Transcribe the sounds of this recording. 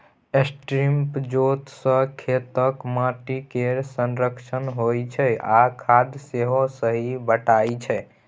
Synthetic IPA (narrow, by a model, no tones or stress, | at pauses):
esʈɾimpd͡ʒot̪sə̃kʰet̪əkmaʈikeɾsənɾəkt͡ʃʰənɦojt͡ʃʰɛakʰad̪seɦosəɦibəʈajt͡ʃʰɛ